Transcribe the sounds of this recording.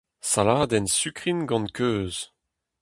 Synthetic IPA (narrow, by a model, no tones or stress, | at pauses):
salaːd̪ɛnsykʁinɡɑ̃nkøːz